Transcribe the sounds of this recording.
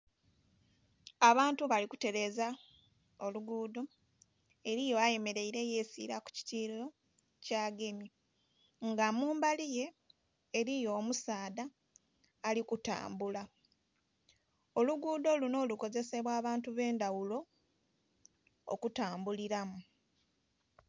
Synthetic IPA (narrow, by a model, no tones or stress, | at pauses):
aβaːntuβalikute̞ɾe̞ːza | o̞luɡuːdo | e̞ɾijo̞aje̞me̞ɾe̞iɾe̞je̞ːsḭːɾaku̥ci̥tiːlo̞ | caːɡe̞mi | ŋɡamuːmbalije̞ː | ɾijo̞ːmusaːdaː | likuta̰ːmbula | o̞luɡuːd̪o̞luno̞ːluko̞ze̞se̞βwaːβaːntuβe̞ːndawulo̞ | o̰kutaːmbuliɾamu